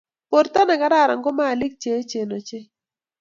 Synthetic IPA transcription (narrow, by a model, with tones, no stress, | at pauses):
po˨ɾta˦na˨ka˦ɾa˦˨ɾa̰˨ŋɡo˦maː˦˨lɪ˦k̚t͡ʃe˨˦t͡ʃe˨no˨t͡ʃɪ˦